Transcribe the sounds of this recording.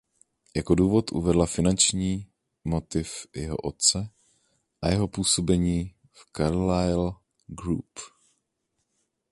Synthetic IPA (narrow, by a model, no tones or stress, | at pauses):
jakoduːvo̞t̪ʔṵvɛdlafɪnant͡ʃɲiː | mot̪ɪfjɛɦo̰ʔot̪̚t͡sɛ | ʔajɛɦo̞puːso̞bɛɲiː | fkaɾlajl | ɡɾṵp